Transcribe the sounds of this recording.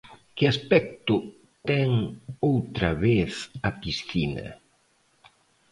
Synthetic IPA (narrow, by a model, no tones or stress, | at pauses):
kɪaspɛk̚t̪ʊ | t̪ɛŋowt̪ɾɐβeθɐpisθinɐ̰